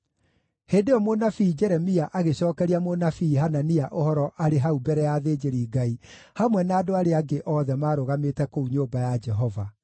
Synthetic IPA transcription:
heːndeɔmonafiːd͡ʒɛɾɛmiaʔaɣeɕɔːkɛɾiamonafiːɦananiaʔohɔɾɔʔaɾeɦaubɛɾɛjaðeːd͡ʒeɾiːɡai | hamwɛnaːdoaɾeaɡeʔɔðɛmaːɾoɣametɛkouɲoːbajad͡ʒɛɦɔva

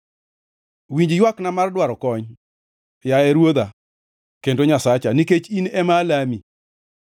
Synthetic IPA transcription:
wiɲd͡ʒjwaknamardwaɾɔkɔɲ | jaɛɾwod̪a | kendoɲasat͡ʃaniket͡ʃinɛmalami

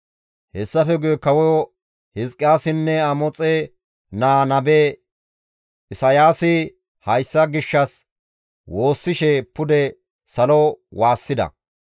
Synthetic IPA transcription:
hɛsːɐfɛɡʊjɛkɐwɔ | hɪskʼːɪjaːsɪnːɛɐmɔt͡sʼe | naːnɐbeː | ʔɪsɐjaːsɪ | hɐjsːɐɡɪʃːɐs | wo̞ːsːɪʃɛpʊd̪ɛ | sɐlowaːsːɪd̪ɐ̰

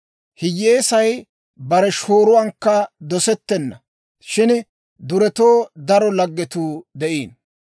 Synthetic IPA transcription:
hɪjːe̞ːsɐj | bɐɾɛʃo̞ːɾʊwɐŋkːɐd̪ɔsɛt̪ːɛnːɐ̰ | ʃɪn | d̪ʊɾɛt̪oːd̪ɐɾɔlɐɡːɛt̪uːd̪ɛʔiːn

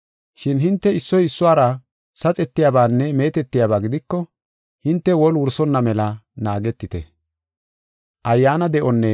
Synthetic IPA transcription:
ʃɪnɦɪnt̪ːɛɪsːɔjɪsːʊwaːɾɐ | sɐt͡sʼɛt̪ːɪjaːbaːnːɛme̞ːt̪ɛt̪ːɪjabaːɡɪd̪ɪkːɔ | hɪnt̪ːɛwɔlwʊɾsɔnːɐmɛlɐnaːɡɛt̪ːɪt̪ɛ̰ | ʔɐjːaːnɐd̪ɛʔɔnːɛ

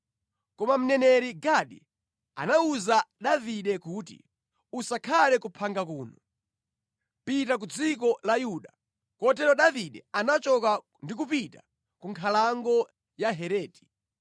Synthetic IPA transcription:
kɔmam̩nɛnɛɾiɡaɗḭ | a̰nauzaɗaviɗɛkuːt̬ḭ | usakʰalɛkupʰaŋɡak̬uːnɔ | pitak̬ud͡zik̬ɔlajuːɗa | kɔt̬ɛɾɔɗaviɗɛanat͡ʃɔka | ndik̬upita | kuŋkʰalaŋɡɔ | jaɦɛɾɛːti̥

